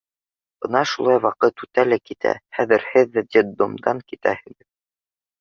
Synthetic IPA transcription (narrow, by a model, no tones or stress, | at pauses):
b̥ɤnɑʃulˠɑjwɑqɤt̪ʉt̪ælækit̪ʰæ̰χæðɘ̆ɾhɘðːæd̪ʲid̪omd̪ɑŋkit̪æ̰hɘ̆ɡɘð